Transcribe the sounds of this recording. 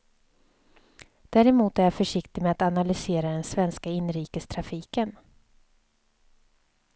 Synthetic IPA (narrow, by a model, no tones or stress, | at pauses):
d̪̥æːɾɛmuːt̪æɾjafœʂɪkt̪ɪmɛat̪analʏseːɾad̪ɛnsvɛnskaɪnːɾiːkəst̪ʰɾafiːkən